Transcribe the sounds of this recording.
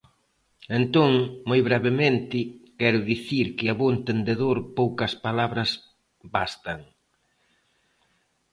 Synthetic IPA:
ent̪oŋmojβɾɛβemẽnt̪ɪkɛɾʊðiθiɾkɪaβoent̪end̪eðoɾpowkɐspalaβɾɐs | bast̪ɐŋ

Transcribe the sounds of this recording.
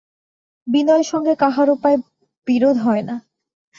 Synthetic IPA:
binɔeɾʃɔŋɡekaɦaɾopae | b̥iɾod̪ʱɦɔena

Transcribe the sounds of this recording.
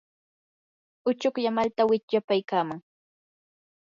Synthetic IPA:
ʊt͡ʃokjamalt̪awɪt͡ʃʎapajkaːmaŋ

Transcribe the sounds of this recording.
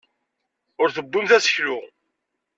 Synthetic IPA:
ʊɾθəbːunθæsə̥çlʊʁ

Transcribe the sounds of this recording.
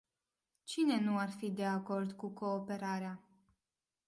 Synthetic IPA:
t͡ʃine̞nuarfid̪e̞ako̞rd̪kuko̞ːpe̞ɾaɾea

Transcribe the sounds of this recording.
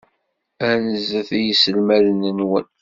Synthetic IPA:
ænəzəθijəsəlmæðənənwən

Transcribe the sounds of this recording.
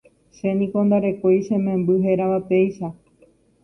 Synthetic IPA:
ʃenĩko̞nd̪aɾe̞koiʃẽmẽmbɨɦeɾaʋape̞jʃa

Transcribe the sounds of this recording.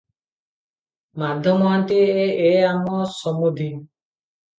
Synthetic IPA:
mad̪ʱjɔmant̪eeamɔsɔmud̪ʱin

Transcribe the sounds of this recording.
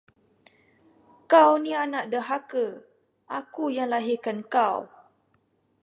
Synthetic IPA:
kawnianaʔdəɦakə | ʔakujaŋlaɦikankaw

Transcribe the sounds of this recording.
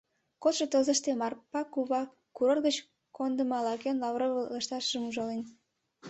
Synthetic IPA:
kot̪ʃet̪ozəʃt̪emɑrpɑkuβɑ | kuɾorɡət͡ɕ | kond̪əmɑlɑkenlɑβroβəleʃt̪ɑʃʒəmuʒɑlen

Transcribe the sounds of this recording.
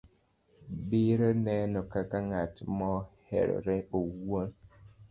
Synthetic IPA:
biɾənɛnɔkakaŋatmɔhɛ̰ɾ̰ɾeowon

